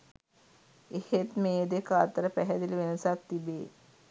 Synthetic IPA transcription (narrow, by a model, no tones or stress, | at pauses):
ehet̪meːd̪ekəat̪əɾəpæɦɛd̪iliʋenəsak̚t̪ibe